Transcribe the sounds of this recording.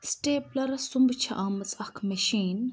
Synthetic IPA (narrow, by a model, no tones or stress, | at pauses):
sʈeːplɐɾɐsumbt͡ʃʰɐ̰ʔaːmɐt͡sʼɐkʰmɐʃiːn